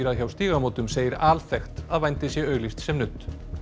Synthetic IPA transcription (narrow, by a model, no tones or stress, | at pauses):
iɾaðçawst̪iːɣamoːwt̪ʏmseːjɪɾaːlθɛxt̪aðvajnt̪ɪsjɛœɥɣlist̪sɛmnʏt̪